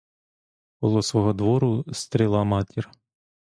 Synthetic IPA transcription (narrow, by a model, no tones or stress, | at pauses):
bɔlˠɔsʋɔɦɔd̪ʋɔɾʊst̪ɾʲilˠɑmɑtʲir